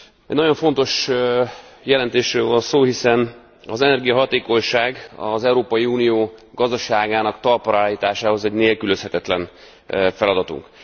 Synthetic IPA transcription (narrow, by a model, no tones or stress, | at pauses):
ɛɟnɒɟo̞ɱfo̞nt̪o̞ʃ | jɛlɛnt̪eːʃrøːlvɒnsoːhisɛn | ɒzɛnɛrɡijɒɦɒt̪eːko̞ɲʃaːɡɒ̰zɛuɾoːpɒjiuːnijoːɡɒzd̪ɒʃaːɡaːnɒkt̪ɒrpoɾaːliːt̪aːʃaːho̞zɛɟneːlkyløshɛt̪ɛt̪lɛn | fɛlɒd̪ɒt̪ṵŋk